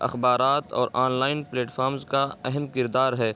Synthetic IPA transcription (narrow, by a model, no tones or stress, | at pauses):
ɐ̰xbaːɾaːt̪ɔ̰ːɾaːnlaːɪnpleːʈfʰaːɾmzkaɛɦɛmkɪɾd̪aːɾɦɛː